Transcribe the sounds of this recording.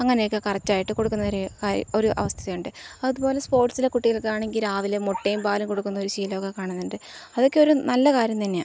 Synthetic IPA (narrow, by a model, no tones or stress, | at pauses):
ɐŋːɐnejokːɨkɐrɐt͡ɕːaːjiʈːɨko̞ɽukːunːɐoɾukaːɾ̰oɾuʔɐ̰ʋɐst̪ʰiɐðɐjuɳɖɨɐðubo̞ːle̞spo̞ːrʈsilekuʈːiɣɐɭkɨaːɳe̞ŋɡilɾaːʋilemoʈːejumpaːlumko̞ɽukːunːɐo̞ɾuɕiːlo̞ːɣɐkaːɳɐnːuɳɖɨɐðo̞kːe̞o̞ɾunɐlːɐkaːɾjɐmt̪ɐnːe